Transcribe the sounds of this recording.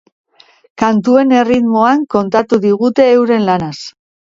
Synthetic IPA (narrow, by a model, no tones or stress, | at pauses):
kant̪ue̞ne̞rit̪mo̞aŋko̞nt̪at̪uðiɣut̪e̞ːwɾe̞nlanas